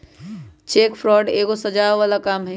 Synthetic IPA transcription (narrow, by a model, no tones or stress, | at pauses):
t͡ʃeːkpʰɾɔːɖeːkosɐd͡ʒaːʋaːlakaːmɦɛ̃